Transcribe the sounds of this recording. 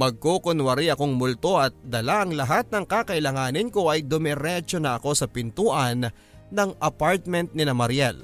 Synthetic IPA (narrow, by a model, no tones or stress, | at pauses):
mɐɡ̚koːkonwɐɾiɐko̞ŋmʊlt̪o̞ʔɐt̪̚d̪ɐlaʔɐŋlɐɦat̪̚nɐŋkakɐʔɪlaŋaːnɪnko̞ʔɐjd̪ʊmɛɾɛt͡ʃonɐʔɐko̞sɐpɪnt̪uːʔɐnː | ɐŋʔɐpaɹt̪̚mɛnt̪̚nɪnɐmɐɾjɛl